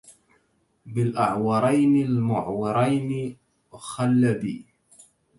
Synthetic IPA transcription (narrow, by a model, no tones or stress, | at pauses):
bɪlʔaʕwɑɾˤɑjnɪlmʊʕwɪɾˤɑjnɪ | xalːabḭː